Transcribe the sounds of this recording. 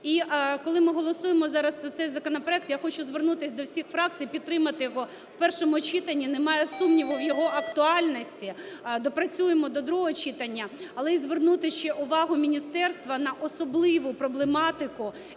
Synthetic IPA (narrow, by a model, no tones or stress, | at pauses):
ikɔlˠɪmɪɦɔlˠɔsujemɔzɑɾɐszɐt̪sɛjzɐkɔnɔpɾɔɛk̚t̪jaxɔt͡ʃʊzʋernut̪ɪsʲd̪ɔwsʲixfɾɑk̚t͡s̪ʲijpʲid̪̚ːɾɪmɐt̪ɪjɔɦɔ | wpɛrʃɔmʊɔt͡ʃit̪ɐnʲːinemɑjɛsumnʲiʋʊwjɔɦɔʔɐkt̪ʊɑlʲnɔsʲtʲid̪ɔpɾɐt͡sʲujemɔd̪ɔd̪ɾuɦɔt͡ʃit̪ɐnʲːɐɐlˠɛizʋernut̪ɪʃt͡ʃɛʔʊʋɑɦʊmʲinʲist̪ɛrst̪ʋɐnɐʔɔsɔblˠɪʋʊpɾɔblˠemɑt̪ɪkʊ